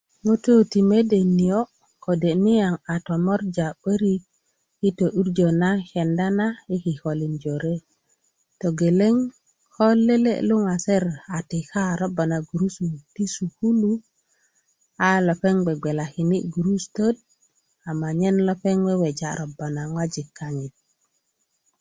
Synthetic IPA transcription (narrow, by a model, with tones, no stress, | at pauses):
ŋo˦to˦ti˨me˦de˨ni˨o˦ | ko˨de˨ni˦ja˨ŋa˨to˨mo˦ɾd͡ʒa˨ɓə˦ɾi˦ | i˦to˨ʔu˦ɾd͡ʒo˨na˦ke˨nda˦na˦i˦ki˨ko˨li˨nd͡ʒo˨ɾe˦ | to˨ɡe˨le˦ŋ | ko˦lːe˦lḛ˦lu˦ŋa˨se˦ɾa˨ti˨ka˦ɾo˦ba˨na˨ɡu˨ɾu˦su˨ti˦su˨ku˦lu˦ | a˦lo˨pe˦ŋɡ͡be˨ɡ͡be˨la˨ki˨ni˦ʔɡu˨ɾu˦sto˦d̚ | a˨ma˨ɲe˦nlo˦pe˦ŋwe˦we˨d͡ʒa˨ɾʔo˨ba˨na˨ŋwa˦d͡ʒi˨kːa˨ɲi˨t̚